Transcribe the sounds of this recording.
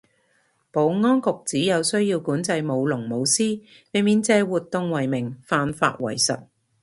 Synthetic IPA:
po˨˧wŋɔː˥nkʊ˨k̚t͡siː˨˥jɐ˨˧wsɵ˥ɥjiː˧wkuː˨˥nt͡sɐ˧jmo˨˧wlʊ˨˩ŋmo˨˧wsiː˥ | we˨˧miː˨˧nt͡sɛː˧wuː˨t̚t̪ːʊ˧ŋwɐ˨˩jmɪ˨˩ŋfaː˧nfa̰ː˧t̚wɐ̰˨˩jsɐ̰˨t̚

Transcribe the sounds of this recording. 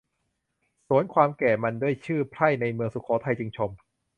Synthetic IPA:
su˩˦ənkʰwaː˧mkɛː˨˩ma˧ndu˥˩əjt͡ɕʰɯː˥˩pʰɾa˥˩jna˧jmɯ˧əŋsu˨˩kʰɔː˩˦t̪ʰa˧jt͡ɕi˧ŋt͡ɕʰo˧m

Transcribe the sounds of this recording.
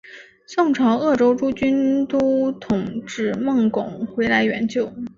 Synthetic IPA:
sʊ˥˩ŋʈ͡ʂʰɑ˧˥ʊɤ˥˩ʈ͡ʂo˥ʊʈ͡ʂu˥t͡ɕy˥nt̪u˥t̪ʰʊ˨˩ŋʈ͡ʂɻ̩˥˩˧mɤ˥˩ŋkʊ˨˩˦ŋxwe˧˥ɪla˧˥ɪɥɛ˧˥nt͡ɕjo˥˩ʊ

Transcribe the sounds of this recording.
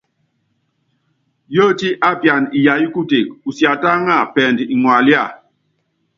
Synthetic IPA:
jo˦˨ti˦ʔa˦pja˨ni˨ja˨ji˦ku˦te˨k̚u˨sja˨ta˦ŋa˦˨pɛ˨ndi˨ŋwa˨li˦a˦˨

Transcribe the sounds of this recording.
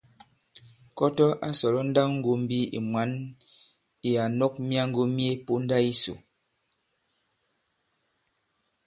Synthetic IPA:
kɔ˦tɔ˦ʔa˦sɔ˨lɔ˦n̩˦da˦ŋŋ̩˦ɡo˨m̩˦bi˦ḭ˨mwa˨˦n | i˨a˨nɔ˦k̚mja˦ŋ˦ɡo˦mje˦po˦n˦da˦i˦so̰˨

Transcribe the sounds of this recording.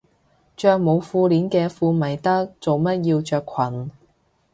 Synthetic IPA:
t͡ʃœː˧k̚mo˨˧wfuː˧liː˨˥nkɛː˧fuː˧mɐ˨˩jt̪ɐ˥k̚t͡so˨wmɐ˥t̚jiː˧wt͡ʃœː˧kʷʰwɐ˨˩n

